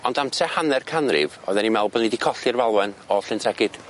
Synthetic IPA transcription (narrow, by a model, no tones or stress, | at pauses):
ɔndamtʰɛhanɛrkʰanrɪ̰vɔjðɛnimɛlˠbɔnɪdikʰɔɬɨrvalˠwɛnɔɬɨntʰɛɡɪd̥